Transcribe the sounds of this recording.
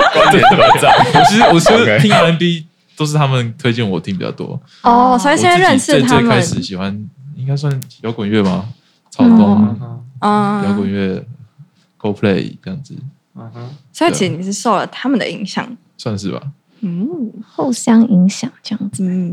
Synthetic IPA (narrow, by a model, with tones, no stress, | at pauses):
a˥˩wɔ˨˩t͡ɕʰi˧˥˧wwɔ˨˩t͡ɕʰi˧˥d̪ʰi˥ŋ˨˧ə˥npi˦ | t̪o˥ʊʂ̬ɻ̩˥˩t̪ʰa˥mə˨nt̪ʰwe˥ɪt͡ɕi˥˩nwɔ˨t̪ʰi˥˧ŋpi˨˩t͡ɕjɑ̰˧˩t̪ʰwɔ̰˦ | ɔ˥˩sjɛ˥n˥˧ɻə˥˧˥nʂɻ̩˥˧t̪ʰmkəa˦˥ɪ˨ʂɻ̩˨˩˦ɕi˨˩xwa˦ni˥ŋka˥ɪs̬wa˥˩n˨˩jo˧˥ʊkwə˨˦nɥɛ˥˩ma˨˩ | t͡sʰɑ˥ʊkɔ˥˩ | ɐ˧jo˧ʊkwə˨˩nɥɛ˥˩ | ko˥ʊpʰlḛ˥˩ɪʈ͡ʂə˥˧jɑ˥˩ŋd͡z̩˨˩ | so˧˥t͡ɕʰi˨˩˥ni˨˩ʂɻ̩˥˧˩ʂo˥˩ʊlə̰˩t̪ʰa˥mə˨nd̪ə̰˨i˧˥ŋɕjɑ̰˨˩˦ŋ | swa˥˧nʂɻ̩˥˩ba̰˨˩˥ | xo˥˩ʊɕjɑ˥ŋi˧˥ŋɕjɑ˨˩ŋʈ͡ʂə˥˧jɑ˥˩ŋd͡z̩